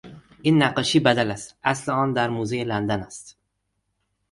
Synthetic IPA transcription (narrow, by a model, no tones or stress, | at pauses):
inːaqɨʃibad̪alasaslɪɒnd̪aɾmuzejland̪anast̪